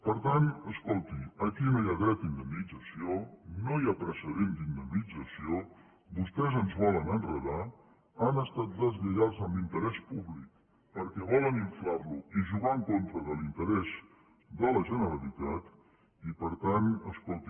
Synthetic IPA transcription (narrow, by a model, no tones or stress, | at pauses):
pəɾt̪anəskolˠt̪iəkinojaɣɾat̪ind̪əmnid͡zəsionojapɾəsəðend̪ind̪əmnid͡zəsio | bust̪ɛzənzβɔlənənrəða | anəst̪at̪̚d̪əzβəɣazəmbint̪əɾɛspuβlik | pəɾkɛβɔləniɱflaɾluiʒuɣaəŋkont̪ɾəðəlint̪əɾɛz | d̪ələʒənəɾəlit̪at̪ | ipəɾt̪anəskolˠt̪i